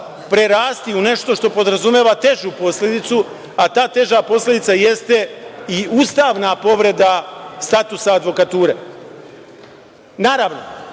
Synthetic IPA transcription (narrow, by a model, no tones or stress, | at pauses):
pɾeɾaːst̪iune̞ʃt̪o̞ʃt̪o̞po̞d̪ɾazumjeːʋat̪e̞ʒupo̞slʲe̞d̪it̪su | at̪aːt̪e̞ʒapo̞slʲe̞d̪it̪saje̞st̪e̞iust̪aːʋnapo̞ʋɾe̞d̪ast̪at̪usaːd̪ʋo̞kat̪uːɾe̞ | naːɾaʋno̞